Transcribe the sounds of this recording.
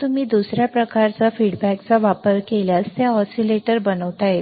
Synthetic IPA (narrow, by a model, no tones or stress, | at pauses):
t̪umiːd̪usɾjapɾəkaɾt͡safiɽbækt͡saʋapəɾkeljast̪jaɔsileʈəɾbənəʋt̪aɦe